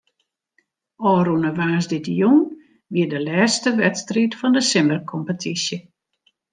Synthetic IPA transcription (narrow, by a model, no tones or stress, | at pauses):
ɔːɾunəʋaːsdɪdəjun | ʋiədəlɛːstəʋɛtstritfɔndəsɪmərkʰɔmpətʰisjə